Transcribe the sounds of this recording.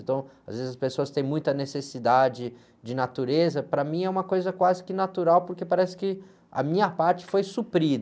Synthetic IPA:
nt̪ɐ̃w̃a̰zvezɪzɐspesoɐst̪ẽj̃mũj̃t̪ɐnesesid̪ad͡ʒɪ | d͡ʒɪnat̪uɾezɐpɾɐmĩɛũmɐkojzɐkwazɪkɪnat̪uɾawpoɾkepaɾɛsɪ̥kɪ | ɐ̰mĩɲɐpaɾt͡ʃɪ̥fojsupɾid̪

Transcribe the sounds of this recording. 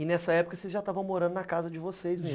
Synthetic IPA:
ɪnɛsɐɛpʊ̥kɐsezʒat̪avɐ̃w̃moɾɐ̃nd̪ʊnɐakazɐd͡ʒɪvosejzmi

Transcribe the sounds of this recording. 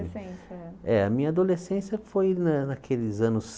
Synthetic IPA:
ɛɐmĩɲɐad̪olesẽsjɐfojnɐnɐkʰelɪzɐ̃nʊs

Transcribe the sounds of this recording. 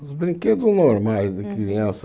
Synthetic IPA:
bɾĩŋked̪unoɾmajzðukɾiiɐ̃s

